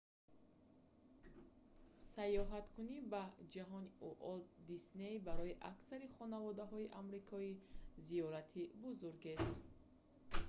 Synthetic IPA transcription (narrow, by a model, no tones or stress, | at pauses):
sajɔɦat̪kʰunibad͡ʒaɦɔniʔuʔɔld̪isnejbaɾɔiʔa̰ksaɾiχɔnavɔd̪aɦɔiʔamɾikʰɔiziɔɾat̪ʰibuzuɾɡest̪